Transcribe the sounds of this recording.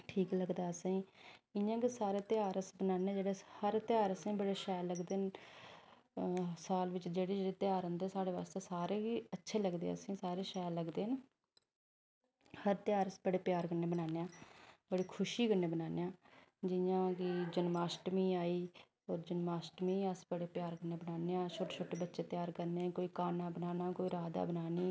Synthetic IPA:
ʈʰiːkləɡd̪aːəsãĩːɪjãːkisaːɾeːt̪ɪaːɾəsbənaːneaːd͡ʒeːɽeːhəɾt̪ɪaːɾəsãĩːbəɽeːʃɛːləɡd̪eːn | saːlʋɪt͡ʃd͡ʒeːɽiːd͡ʒeɽeːt̪ɪaːɾə̃nd̪eːsaːɽeːʋa̰ːst̪eːsaːɾeːiətːʃʰeːləɡd̪ḛːəsẽːsaːɾeːʃɛːləɡd̪eːne | həɾt̪ɪjaːɾəsbəɽeːpjaːɾkəɾneːbənaːneːãːbəɽiːkʰʊʃiːɡənːeːbənaːneːãːd͡ʒɪjãːkɪd͡ʒənmaːsʈmĩːaːiː | ɔːɾd͡ʒənmaːsʈmĩːəspəɽeːpjaːɾkəɾneːbənaːneːãːt͡ʃʰoːʈːt͡ʃʰoːʈeːbətːʃeːt̪ɪjaːɾkəɾneːkoːiːkaːnaːbənaːnaːkoːiːɾaːd̪a̰ːbənaːniː

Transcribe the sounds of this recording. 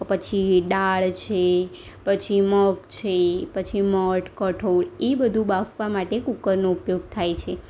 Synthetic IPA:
pət͡ʃʰiɖaɭt͡ʃʰe | pət͡ʃʰiməkt͡ʃʰepət͡ʃʰiməʈkəʈʰoɭebəd̪ʱũbafʋamaʈekukəɾnoupjoɡ̚t̪ʰajt͡ʃʰe

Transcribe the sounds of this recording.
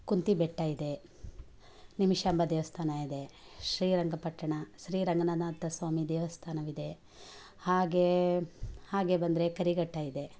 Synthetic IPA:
kunt̪ibeʈːaːjid̪e̞ | nimiʃaːmbɐd̪eːʋɐst̪ʰaːnajid̪eʃɾiːɾɐŋɡɐpɐʈːɐɳɐʃɾiːɾɐŋɡɐnaːd̪aːt̪ːɐsʋaːmid̪eːʋɐst̪ʰaːnɐʋid̪e̞ | haːɡe | haːɡebɐnd̪ɾekɐɾiɡɐʈːaːjid̪e

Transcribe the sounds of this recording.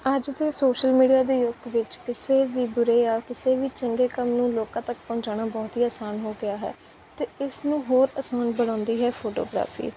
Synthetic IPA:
əd͡ʒt̪eːsoːʃəlmiːɖijaːd̪eːjʊɡʋɪt͡ʃkɪseːʋiːd̪ʊɾeːjaːkɪseːʋiːt͡ʃəŋɡeːkəmnũːloːkãːt̪əkpɔ̃ːɲt͡ʃaːnaːbɔːt̪ɦiːaːsaːnɦoːɡɪaːɦɛ̰ː | t̪eːɪsnũːɦoːɾəsaːnbəɽ̃ãːnd̪iːɦɛːpʰoːʈo̰ːɡɾa̰ːpʰḭː

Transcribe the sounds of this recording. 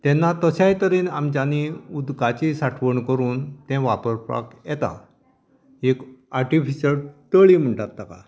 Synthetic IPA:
t̪ɛnːat̪əɕajt̪əɾiːnamt͡ɕaniud̪kat͡ɕisaʈʰʋəɳkəɾuːnt̪ɛ̃ʋapəɾpa̰kjɛt̪a̰ | ekaɾʈifiɕəɭt̪əɭim̤əɳʈat̪̚ːaka̰

